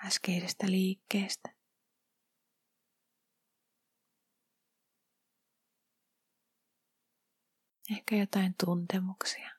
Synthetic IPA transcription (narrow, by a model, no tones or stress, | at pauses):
æskeisest̪æliːkːeːst̪æ̥ | ehkæjot̪ɑint̪unt̪emuksiɑ